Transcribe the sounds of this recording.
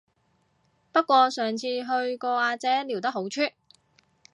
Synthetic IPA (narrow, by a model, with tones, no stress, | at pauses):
pɐ˥t̚kːʷɔː˧sœː˨˩ŋt͡sʰiː˧ɦɵ˧ɥkɔː˧aː˧t͡sɛː˨˥li˨˩wt̪ɐ˥ho˨˥wt͡ʃʰyː˥t̚